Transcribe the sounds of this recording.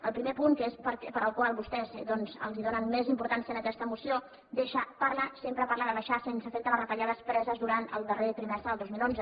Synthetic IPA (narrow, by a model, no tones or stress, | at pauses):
əlˠpɾimepuŋkəespəɾkɛpəɾəlˠkwalˠβust̪ɛzd̪ɔnzə̰lˠziðonənmezimpuɾt̪ansiənəkɛst̪əmusio | d̪eʃəpaɾləsempɾəpaɾlaðəβəʃasensəfek̚t̪əβərət̪əʎaðəspɾɛzəzðuɾant̪əlˠd̪əret̪ɾimɛsɾəðəlˠd̪ozmilˠonzə